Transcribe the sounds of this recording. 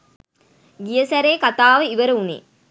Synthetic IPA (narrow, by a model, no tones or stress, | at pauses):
ɡijəsæɾeːkat̪aːʋəiʋəɾəunḛː